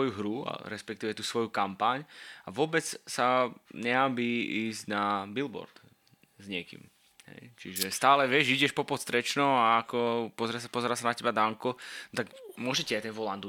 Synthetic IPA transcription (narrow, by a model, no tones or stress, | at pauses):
ɔjuɦɾua̰ɾɛspɛkt̪iːʋɛt̪uːsʋɔjukampaɲaʋʊɔbɛt͡ssaɲɛabiːiːzɟnabilbɔ̰ɾd̪̥ | zɲɪɛkḭm | ɦɛ̰jt͡ʃiʒɛst̪aːlɛʋɪɛʒiɟɛʃpɔpɔt̪st̪ɾɛt͡ʃnɔaːkɔpɔzɛɾasapɔzɛɾaːsanacɛbad̪aŋkɔt̪akmʊɔʒɛciajt̪ɛnʋɔland̪u